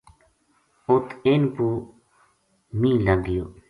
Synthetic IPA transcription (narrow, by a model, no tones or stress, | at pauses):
ot̪enpu | mĩːlaɡijoː